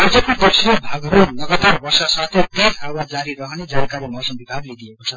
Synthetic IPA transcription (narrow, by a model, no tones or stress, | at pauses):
ʌd͡zʌkiɡ̪ʌrsʌbʱaɡʌɾonʌɡʌt̪arbʌrsasat̪ʰet̪enɦawad͡zaɾiɾʌɦʌned͡zankaɾemʌsʌmbibʱaɡled̪iekot͡sʰʌ